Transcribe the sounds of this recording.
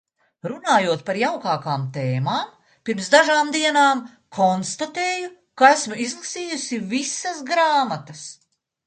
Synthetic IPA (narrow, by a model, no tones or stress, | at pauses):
ɾunaːjuɔt̪paɾjawkaːkaːmt̪eːmaːm | piɾmsd̪aʒaːmd̪iɛnaːm | kʰɔnst̪at̪eːju | kaæsmizlˠɐsiːjusʲivisɐsɡɾaːmat̪ɐs